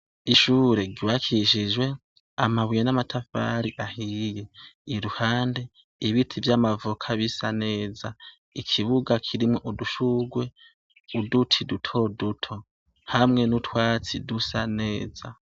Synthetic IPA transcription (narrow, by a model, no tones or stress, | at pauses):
iʃuːɾe̞ɡiwakʰiʃid͡ʒwe̞ | amaβujenamatʰafa̰ɾiʔahiːje̞iɾuhaːnde̞ | iβitʰivjaːmavukʰaβisane̞ːza | ikʰiβuɡakʰiɾimŋoʔuduʃuɡwe̞ | udutʰidutʰo̞dutʰo̞ | hamŋe̞nutwaːt͡sidusane̞ːza